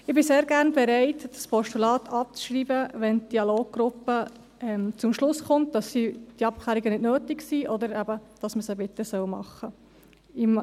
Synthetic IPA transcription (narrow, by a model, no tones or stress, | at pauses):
ɪb̥ɪseːɾɡæʁnbɛɾæɪtd̥ɑspʰɔʃtulɑːt̪ʰɑp̚t͡sʃɾiːbəʋɛntd̥iɑloːɡ̚ɡ̥ɾʊpːə | ɛmt͡sʊmʃlʊsχʊnt̚d̥ɑsːid̥iɑp̚kʰlæːɾiɡənɪdnøːtɪɡsiːʔɔd̪əɾæbəd̥ɑsməsəbɪt̪ːəsœwmɑ̰χːə | ɪm